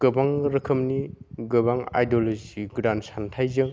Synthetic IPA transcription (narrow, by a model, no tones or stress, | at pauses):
ɡ̥ɯbaŋɾɐkʰəmniɡɯbaŋa̰jdoloziɡɾansantʰajzɯŋ